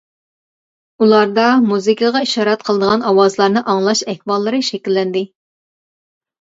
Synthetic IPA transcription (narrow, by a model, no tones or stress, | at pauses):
ulˠɑɾd̪ɑmuzɨkəʁɑiʃɑːɾɑt̪̚qʰəlˠəd̪əʁɑnɑwɑzlˠɑɾnɨʔɑŋlˠɑʃɛhbɑlˠːɨɾɨʃɛkʲilːɛnd̪ɪ